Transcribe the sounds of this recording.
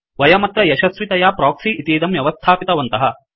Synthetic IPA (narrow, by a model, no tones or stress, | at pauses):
ʋɐjɐmɐt̪ɾɐjɛʃɐsʋit̪ɐjaːpɾaːksiit̪iːd̪ɐmjɐʋɐst̪ʰaːpit̪ɐʋɐnt̪ɐɦɐ